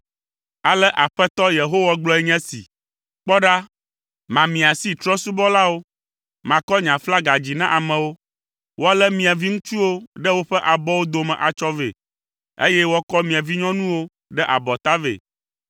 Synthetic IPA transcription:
a˨lɛ˦ʔa˨ɸɛ˦t̪ɔ˦je˨ɦo˦wa˨ɡ͡blɔ˦ɛ˦ɲɛ̃˦sḭ˨ | k͡pɔ˦ɖa˦ | mã˨mĩ˨a˨si˦t̪ɾɔ˦su˦bɔ˦la˦wo˦ | mã˨kɔ˦ɲã˨fla˦ɡa˨d͡ʑi˨nã˦ʔa˨mɛ̃˨wo˦ | wo˦a˦lɛ˦mĩ˨a˨vi˦ŋũ˦t͡ʃu˦wo˦ɖɛ˦wo˦ɸɛ˦ʔa˨bɔ˦wo˦d̪o˨mɛ̃˨ʔa˨t͡ʃɔ˦vḛ˨ | ḛ˦jɛ˦wɔ˦kɔ˦mĩ˨ã˨vi˦ɲɔ̃˦nũ˦wo˦ | ɖɛ˦ʔa̰˨bɔ˨t̪a˦vḛ˨

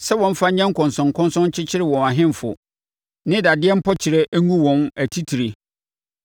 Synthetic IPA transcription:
sɛ˦wɔ̃˨m̩˦fa˦ɲ˦ɲɛ̃˦ŋ̩˦kʰʊ̃˨nsʊ̃˨ŋ˨kʰɔ̃˦nsɔ̃˦n˦t͡ɕʰɪ˦t͡ɕʰɪ˦ɾɪ˦˨wɔ̃˨na˨ɦɪ̃˦m˨fʊ̰˨ | nɪ̃˦da˨dɪ˦ɛ˦m̩˦pʰɔ˦t͡ɕʰɪ˨ɾɛ˦ʔŋũ˦wɔ̃˨næ˨tʰi˦tʰi˨ɾe˨

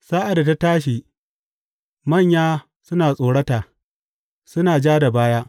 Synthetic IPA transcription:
saː˦ʔa˨da˨ta˦taː˦ʃiː˨ | mɐ˦˨ɲjaː˦ | sʊ˦naː˨sʼoː˨ɽɐ˦taː˨ | sʊ˦naː˨d͡ʒaː˦da˨baː˦ja˦ʔ

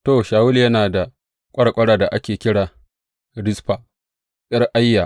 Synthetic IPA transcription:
to˨ʃaː˨wʊ˦ljɐ˦naː˨da˨ | kʷʼɐ˦ɽkʷʼɐ˦ɽaː˨da˨ʔa˦kʲeː˨kʲɪ˦ɽaː˨ | ɽɪ˦sɸa˨ | ɓʲʼɐ˦rʔa˦jːa˨

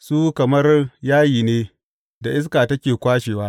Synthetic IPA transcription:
suː˦kɐ˨mɐ˦rjaː˦jiː˨neː˦ | da˨ʔɪ˦s̬kaː˨tɐ˦kʲeː˨kʷaː˦ʃeː˨waː˦

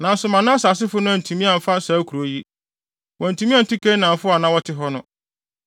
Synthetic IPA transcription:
nã˨n̩˦sʊ˨mã˨nʊ̃˦a˦sa˨s̬ɪ˦fʊ˦nʊ̃˦æ˨n˨tʰũ˨mĩ˦a˨m̩˨fa˦n˦saː˨˦kʰu˨ɾo˨˦ji˦ | wʔɔ̃˨n̩˨tʰu˨mĩ˦a˦˨tʰi˦kʰe˦nã˨m̩˨fʊ˦a˨nã˦wɔ˦tʰɪ˦ɦɔ˦nʊ̃˦˨

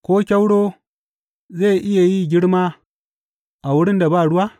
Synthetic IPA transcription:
kʷoː˦kʲa˦wɽoː˦ | ze˦˨ʔɪ˦ja˨ji˦ɡʲɪ˦ɽmaː˦ | ʔa˨wʊ˦ɽɪ˦nda˨baː˦˨ɽʊ˦wa˦

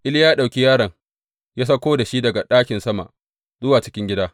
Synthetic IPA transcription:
ʔɪ˦ljaː˦ɗa˨wkʲi˦jaː˦ɾɐ˨ŋ | jaː˦s̬ɐ˦kʷoː˦da˨ʃi˦dɐ˨ɡa˨ɗaː˦kʲɪ˨nsɐ˦ma̰˨ | zʊ˦waː˨t͡ʃɪ̥˦kʲɪ˦ŋɡʲɪ˦daː˦

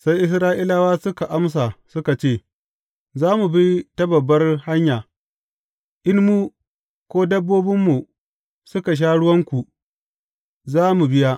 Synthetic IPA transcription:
sa˦jʔɪ˦s̬ɾaː˦ʔiː˦la˦waː˦sʊ˦ka˨ʔa˦ms̬a˨sʊ˦ka˨t͡ʃeː˦˨ | zaː˦mu˨bi˦ta˦bɐ˨bːɐ˦rha˦ɲjaː˨ | ʔɪ˦nmu˦ | kʷoː˦dɐ˦bːoː˦bɪ˦mːu˨ | sʊ˦ka˨ʃ̬aː˦ɽʊ˦wɐ˦ŋkʷu˨ | zaː˦mu˨bɪ˦ja˦ʔ

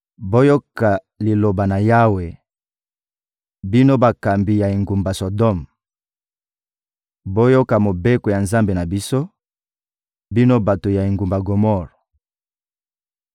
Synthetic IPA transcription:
bo˦jo˦ka˨ | li˨lo˨ba˨na˨ja˦we˨ | bi˦no˦ba˨ka˨mbi˨ja˨i˨ŋɡu˨mba˨so˨dɔ˦˨m | bo˦jo˦ka˨mo˨be˦ko˨ja˨nza˦mbe˨na˨bi˦so˦ | bi˦no˦ba˨to˨ja˨i˨ŋɡu˨mba˨ɡo˨mɔ˦ʁ

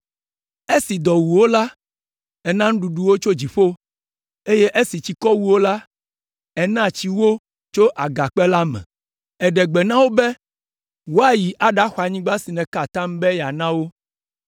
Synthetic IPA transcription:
e˦si˨d̪ɔ˨wu˨wo˦la˦ | ɛ˨nã˦ŋ̃˦ɖu˨ɖu˦wo˦t͡ʃo˦d͡ʑi˨ɸo˦ | e˦jɛ˦ʔe˦si˨t͡ɕi˨kɔ˦wu˦wo˦la˦ | ɛ˦nã˦˨t͡ɕi˦wo˦ | t͡ʃo˦ʔa˨ɡa˨k͡pɛ˦la˦mɛ̰̃˨ | ɛ˨ɖɛ˨ɡ͡bɛ˨nã˦wo˦bɛ˦ | wo˦a˨ji˨ʔa˨ɖa˦xa˨ɲĩ˦ɡ͡ba˦si˨nɛ̃˨ka˨t̪ã˦mbɛ˦ja˨nã˦wo˦

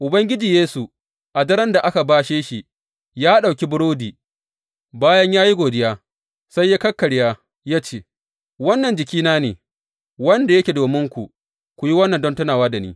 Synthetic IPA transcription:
ʔʊ˨bɐ˦ŋɡʲɪ˦d͡ʒiː˨jeː˦su˨ | ʔa˨dɐ˦ɾɐ˦nda˨ʔa˦ka˨baː˦ʃeː˦ʃi˨ | jaː˦ɗa˨kʲi˦bʊ˦ɽoː˦diː˨ | baː˦jɐ˦ɲjaː˦ji˦ɡʷoː˨dɪ˦jaː˦ | sa˦jːaː˦kɐ˦kːɐ˨ɽjaː˦ | jaː˦t͡ʃeː˦ | wɐ˦nːɐ˨nd͡ʒɪ˨kʲiː˦naː˦nḛː˨ | wɐ˦nda˨jɐ˦kʲe˨doː˨mɪ˦ŋkʷu˨ | kʷu˨ji˦wɐ˦nːɐ˨ndɔ˦ntʊ˦naː˨waː˦da˨nḭː˦

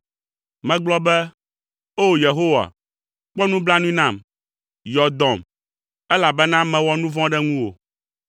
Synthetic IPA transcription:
mɛ̃˨ɡ͡blɔ˦bɛ˦ | o˦je˨ɦo˦wa̰˨ | k͡pɔ˦nũ˦bla˦nũ˦nã˦˨m | jɔ˨d̪ɔ̃˨m | ɛ˦la˨bɛ˦nã˦mɛ̃˨wɔ˦nũ˦vɔ̃˦ɖɛ˦ŋũ˦wo̰˨

